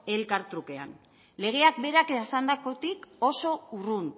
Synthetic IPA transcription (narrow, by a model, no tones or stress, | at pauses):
e̞lkaɾt̪ɾuke̞a̰n | le̞ɣ̞e̞ak̚be̞ɾaksand̪ako̞t̪iko̞so̞urun